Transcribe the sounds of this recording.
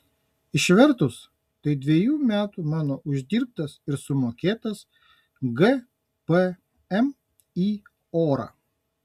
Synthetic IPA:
ɪʃʲʋʲɛɾˑt̪ʊs | t̪ɐɪd̪ʲʋʲiɛjuːmʲæːt̪uːmɑːnoːʔʊʒʲd̪ʲiːɾp̚t̪ɐsɪɾsʊmoːkʲeːt̪ɐs | ɡɛ | pɛ | ɛm | iː | oːɾɐ̰ː

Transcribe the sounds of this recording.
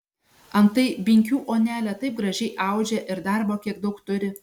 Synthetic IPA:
ɐnt̪ɐɪbʲɪŋʲkʲuːʔoːnʲæːlʲɛt̪ɐɪp̚ɡɾɐʒʲɛɪʔɑˑʊd͡ʒʲɛʔɪɾd̪ɑɾboːkʲiɛɡd̪ɐʊkt̪ʊɾʲɪ

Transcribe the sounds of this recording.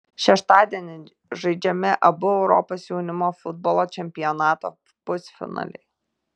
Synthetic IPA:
ʃʲɛʃt̪ɑːd̪ʲɛnʲɪ | ʒɐɪd͡ʒʲɛmʲɪʔɐbʊɛʊɾɔ̰posjuːnʲɪmoːfʊd̪̚bɔːlˠoːt͡ʃʲɛmʲpʲɪjɔnɑːt̪o̰ | pʊsʲfʲɪ̰nɑ̰ːlʲɛ̰ɪ

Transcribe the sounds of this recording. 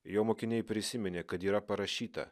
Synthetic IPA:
joːmoːkʲɪnʲɛjpʲɾʲɪsʲɪmʲɪnʲeːkɐt̪iːɾɐpɐɾɐʃʲiːt̪ɐ̰

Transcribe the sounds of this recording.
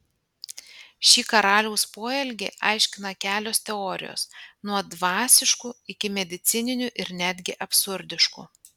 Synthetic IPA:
ʃʲiːkɐɾɑːlʲɛʊspoːɛlʲɡʲḛːʔɑˑɪʃʲkʲɪnɐkʲæːlʲoːst̪ʲɛɔːɾʲɪ̰jo̰ːsnuɔd̪ʋɑːsʲɪʃkuɪkʲɪmʲɛd̪ʲɪt̪sʲɪnʲɪnʲʊʔɪɾnʲæːd̪ʲɡʲɪʔɐpsʊɾʲd̪ʲɪʃkṵː

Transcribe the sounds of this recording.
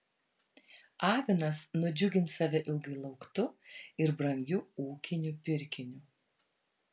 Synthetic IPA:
ɑːʋʲɪnɐsnʊd͡ʒʲʊɡʲɪnt̪sɑːʋʲɛʔɪlˠɡɐɪlˠɐʊkt̪ʊɪɾbɾɐŋʲɡʲʊuːkʲɪnʲupʲɪɾʲkʲɪnʲʊ

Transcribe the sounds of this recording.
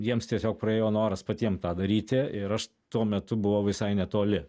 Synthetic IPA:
jiɛmst̪ʲiɛsʲoːk̚pɾɐeːjoːnoːɾɐspɐt̪ʲiɛmt̪ɑːd̪ɐɾʲiːt̪ʲɪɪɾɐʃ | t̪uɔmʲɛt̪ʊbʊʋɐʊʋʲɪsɐɪnʲɛt̪oːlʲɪ

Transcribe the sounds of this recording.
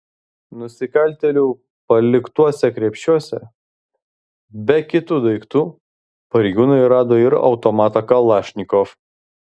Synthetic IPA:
nʊsʲɪkɐlʲt̪ʲɛlʲuː | pɐlʲɪkt̪uɔsʲɛkɾʲiɛpʲʃʲt͡ʃʲuɔsʲɛ | bʲɛkʲɪt̪uːd̪ɐɪkt̪uː | pɐɾʲɛɪɡʲuːnɐɪɾɑːd̪oːɪɾɒ̰ʊt̪ɔmɑːt̪ɐkɐlˠɑːʃʲnʲɪkɔf

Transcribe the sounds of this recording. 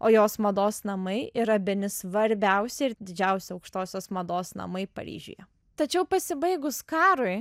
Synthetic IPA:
oːjoːsmɐd̪oːsnɐmɐɪɪɾɐbʲɪnʲɪsʋɐɾʲbʲɛʊsʲɛɪɾd̪ʲɪd͡ʒʲɛʊsʲɛɐʊkʃt̪oːsʲoːsmɐd̪oːsnɐ̰mɐɪpɐ̰ɾʲḭːʒʲṵjɛ | t̪ɐt͡ʃʲɛʊpɐsʲɪbɐɪɡʊskɑːɾʊɪ

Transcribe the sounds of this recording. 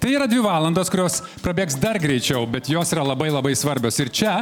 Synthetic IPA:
t̪ɐɪiːɾɐd̪ʲʋʲɪʋɑːlˠɐnd̪oːskʊɾʲoːspɾɐbʲeːksd̪ɐrɡɾʲɛɪt͡ʃʲɛʊbʲɛt̪joːsiːɾɐlˠɐbɐɪlˠɐbɐɪsʋɐɾʲbʲoːsɪɾt͡ʃʲɛ

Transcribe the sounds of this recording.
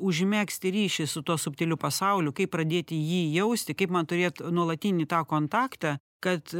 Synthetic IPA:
ʊʒʲmʲæːksʲt̪ʲɪɾʲiːʃʲɪsʊt̪uɔsʊpʲt̪ʲɛlʲʊpɐsɐʊlʲʊkɐɪppɾɐd̪ʲeːt̪ʲɪjiːjɛʊsʲt̪ʲɪkɐɪpmɐnt̪ʊɾʲeːt̪nuɔlˠɐt̪ʲinʲit̪ɑːkoːnt̪ɑːkt̪ɑ | kɐt̪

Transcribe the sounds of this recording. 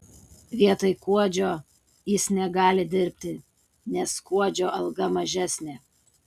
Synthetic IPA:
ʋʲiɛt̪ɐɪkuɔd͡ʒʲoː | jɪsnʲɛɡɑːlʲɪd̪ʲɪɾʲpʲt̪ʲɪ | nʲɛskuɔd͡ʒʲoːʔɐlˠɡɐmɐʒʲæsʲnʲeː

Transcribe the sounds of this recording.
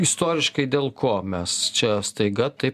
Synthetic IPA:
ɪst̪oːɾʲɪʃkɐɪd̪ʲeːlˠkʰoːmʲɛst͡ʃʲɛst̪ɐɪɡɐt̪ɐɪ

